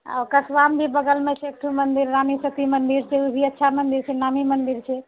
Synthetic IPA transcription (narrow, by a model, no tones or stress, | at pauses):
a̰okəsʋambʱibəɡəlmẽsʰek̚ʈʰumənd̪iɾːamisət̪imənd̪iɾt͡ʃʰɛubʱiətːʃʰamənd̪iɾt͡ʃʰɛnamimənd̪iɾt͡ʃʰɛ